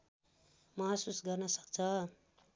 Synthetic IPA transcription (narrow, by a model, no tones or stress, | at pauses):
mʌɦsusɡʌrnʌsʌ̥kt͡sʰʌ